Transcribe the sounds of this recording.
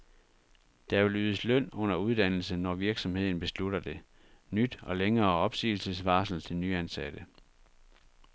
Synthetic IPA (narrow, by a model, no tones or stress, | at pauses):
d̥ɑʋe̝lyːðˠəslœn̰ɔ̽n̰ɐuð̞ˠd̥æn̰l̩sənɒʋiɐɡ̥sɒ̽mhe̝ð̰ˠn̩b̥e̝sluɾɐd̥e̝ | nyd̥ɒ̽leŋɐːɒ̽b̥sḭːl̩səsʋɑ̈ːsl̩t͡sʰe̝lnyænsæd̥ə